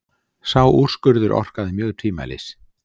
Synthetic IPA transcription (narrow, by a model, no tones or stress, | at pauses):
sawʔur̥skʏɾðʏɾʔɔ̰r̥kaðɪmjœːɣt̪ʰiːma̰lɪ̰s